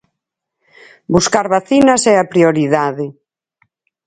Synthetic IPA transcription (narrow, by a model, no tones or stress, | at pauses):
buskaɾβaθinɐsɛapɾioɾiðaðɪ